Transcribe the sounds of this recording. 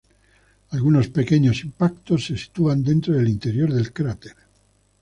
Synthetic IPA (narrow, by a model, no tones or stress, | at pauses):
alɣuno̞spe̞keɲo̞simpakt̪o̞sːesi̥t̪uand̪e̞nt̪ɾoðelint̪eɾjoɾðe̞lkɾat̪eɾ